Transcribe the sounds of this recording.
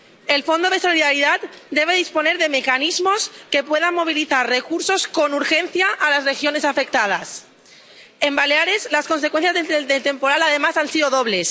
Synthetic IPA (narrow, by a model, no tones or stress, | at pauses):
e̞lfo̞nd̪o̞ð̞e̞so̞liðaɾiðat̪̚d̪e̞β̞e̞ðispo̞ne̞ɾðe̞me̞kanizmo̞ske̞pwe̞ðamːo̞β̞iliθarrekuɾso̞sko̞nuɾxe̞nθjaʔːlasrexjo̞ne̞safe̞k̚t̪að̞a̰s | e̞mbaleaɾe̞slasko̞nsekwenθjazðeed̪et̪e̞mpo̞ɾalaðe̞masansiðoðoβ̞le̞s